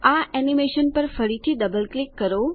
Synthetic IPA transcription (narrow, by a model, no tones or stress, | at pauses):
aʔɛnimeʃənpəɾfəɽit̪ʰid̪əbəlklikːəɾo